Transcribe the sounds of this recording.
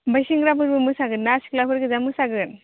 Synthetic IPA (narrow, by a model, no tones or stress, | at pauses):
bajsiŋɡɾapʰɯɾbɯmɯsaɡɯnːasi̥klapʰɯɾɡɯzamɯsaɡɯn